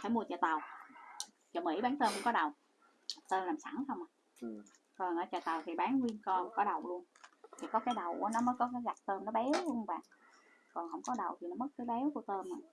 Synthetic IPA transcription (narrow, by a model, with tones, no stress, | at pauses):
fʰaː˧˩mu˧ət͡ɕəː˧˩t̪a˨˩w | t͡ɕɔ˧˩mḭ˧˩˦ɓaː˨˦nt̪əː˧nkʊ̰˧˥ŋ͡mkɔ˨˦˥ɗə˨˩w | t̪əː˧nlaː˨˩msa˧˥˦nxə˧wŋ͡mʔaː˨˩ | kɔ˨˩nʔəː˧˩˦t͡ɕə̰˧˨˩t̪a˨˩wt̪ʰi˨˩ɓaː˨˦nŋwi˧ənkɔ˧kɔ˨˦ɗə˨˩wlu˧ənt̪ʰi˨˩kɔ˨˦kaː˨˦jɗə˨˩wkṵ˧˩ənɔ˨˦məː˨˦jkɔ˨˦kaː˨˦jza˨˩t̪əː˧mnɔ˨˦ɓɛ˨˦wlu˧ənva̰ː˨ŋ | kɔ˨˩nɦə̰˧wŋ͡mkɔ˨˦ɗə˨˩wt̪ʰi˨˩nɔ˨˦mə˦˥t̚kaː˨˦jɓɛ˨˦wku˧˩ət̪əː˧mːaː˨˩